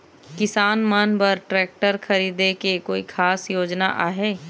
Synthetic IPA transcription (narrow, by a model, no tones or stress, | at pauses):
kɪsaːnmənpəɾʈɾɛːk̚ʈəɾkʰɐɾiːd̪ekekoːikʰaːsjoːd͡ʒna̰ʔaːɦeː